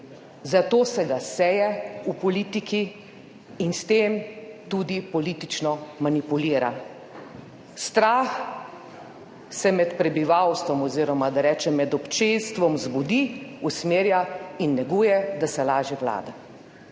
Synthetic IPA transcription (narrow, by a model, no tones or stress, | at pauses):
zat̪oːsɛɡasɛjɛupɔliːt̪ikʰiː | nst̪eːmt̪uːd̪ipɔliːt̪it͡ʃnɔmanipuliːɾa | st̪ɾax | sɛmɛt̪pɾɛbiʋawst̪ʋɔmɔziːɾɔmad̪aɾɛːt͡ʃɛmːɛd̪ɔpt͡ʃenst̪ʋɔmzbɔd̪iusmeːɾjainːɛɡuːjɛd̪asɛlaːʒɛwla̰ːd̪a